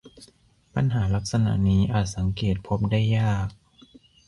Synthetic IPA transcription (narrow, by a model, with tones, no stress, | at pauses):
pa˧nɦaː˩˦la˦˥k̚sa˧na̰˧˩ʔniː˦˥ʔaː˨˩t̪̚sa˩˦ŋkeː˨˩t̪̚pʰo˦˥p̚da˥˩jaː˥˩k̚